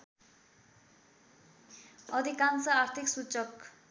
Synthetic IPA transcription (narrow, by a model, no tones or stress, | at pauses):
ʌd̪ʱikansʌart̪ʰiksut͡sʌk